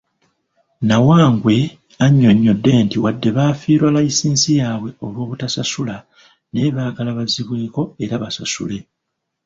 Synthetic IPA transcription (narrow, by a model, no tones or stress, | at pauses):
nawaːŋɡwe̞ | aɲːo̞ɲːo̞dːe̞ntiwadːe̞βaːfiːɾwalaisiːnsijaːβwe̞o̞lwo̞ːβutasasula | ne̞ːβaːɡalaβaziβwe̞ːko̞e̞ɾaβasasṵle̞